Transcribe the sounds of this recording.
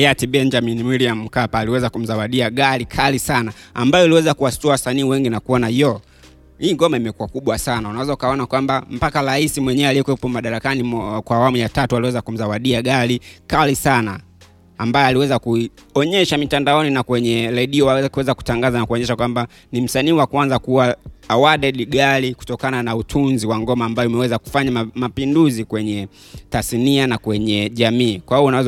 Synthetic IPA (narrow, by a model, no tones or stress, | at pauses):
ɛjatiɓɛnd͡ʒaminmwiliam̩m̩kapaːliwɛzakum̩zawaɗiaɠaɾikʰalisanaambajɔiliwɛzakuwastuawasaniːwɛŋɡinakuɔnajɔ | hiːŋɡɔmaimɛkuakuɓwasanaunawɛzaukaɔnakwambam̩pakaɾaisimwɛɲɛɛaliɛkwɛpɔmaɗaɾakanikwaːwamujatatualiwɛzakum̩zawaɗiaɡaɾikalisanaː | mbajɔaliwɛzakuiɔɲɛʃamitandaɔninakwɛɲɛɾɛɗiɔakuwɛzaku̥taŋɡazanakuɔɲɛʃakwamba | nim̩saniːwakuanzakuwaːwaɗɛɗiɡaliku̥tɔkananautʰunziwaŋɡɔmaːmbajɔumɛwɛzaku̥faɲamapinduzikwɛɲɛ | tasnianakwɛɲɛʄamiːkwahuɔunawɛz